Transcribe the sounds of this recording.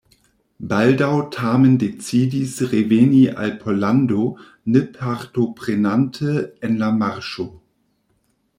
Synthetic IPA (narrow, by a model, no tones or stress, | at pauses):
baldaʊtʰaːməndet͡siːdisʁeveniʔa̰lpʰɔlando | nəpʰaʁtopʁ̥enantʰəɛnlamaʁʃo